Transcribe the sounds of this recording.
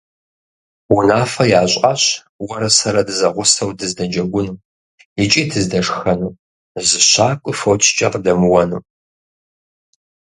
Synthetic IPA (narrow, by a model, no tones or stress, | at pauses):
wʊnaːfɐjaːɕʷʼaɕ | wɐɾɐsɐɾɐdɨzɐʁʷʊsɐwdɨzdɐd͡ʒɐɡʷʊnuː | jɪt͡ʃʼiːtʰɨzdɐʂxɐnuː | zɨɕaːkʷʼʊfɐwtʰt͡ʃʼɐqdɐmɨwɐnuː